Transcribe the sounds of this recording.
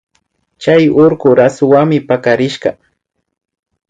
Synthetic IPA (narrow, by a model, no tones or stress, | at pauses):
t͡ʃajoɾɢʊɾasʊwaŋmɪpakaɾɪʃɢɑ